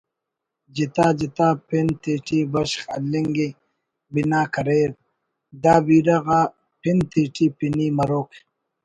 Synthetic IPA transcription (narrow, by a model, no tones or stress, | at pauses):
d͡ʑit̪aːd͡ʑit̪aːpint̪iːʈʰibɐɕxɐ̰lːiŋɡi | binaːkɐɾeːɾ | d̪aːbiːɾɐɣaː | pint̪iːʈiːpiniːmɐɾoːk